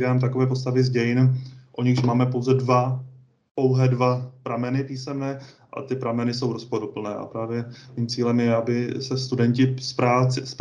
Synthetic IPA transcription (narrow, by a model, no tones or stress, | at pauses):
daːmt̪akovɛːpo̞s̬t̪avɪzɟɛjɪnʔo̞ɲɪxʃmaːmɛpo̞wzɛdva | po̞wɦɛːdvapɾamɛnɪpiːsɛmnɛːʔa̰t̪ɪpɾamɛnɪso̞wɾo̞spodopl̩nɛːʔa̰pɾaːvjɛmiːmt͡siːlɛmjɛabɪsɛst̪udɛɲcɪspɾaːt͡sɪsp